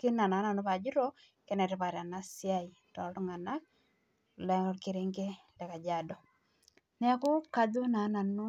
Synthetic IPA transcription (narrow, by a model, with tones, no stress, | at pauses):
kɪ˦na˨na˨˦na˨no˦βa˨d͡ʒi˦ɾɔ˦ | kɛ˦nɛ˨ɾɛ˦pa˨ɾa˨na˨sja˦i˨ | tɔ˨tu˦ŋa˨na˦k̚ | lɛ˨ŋɔ˦ɾke˦ɾe˦ŋɡe˦dɛ˨ka˨d͡ʒa˨dɔ˨ | nɛ˦a˦kʊ˦ka˨du˦na˨˦na˨nʊ˦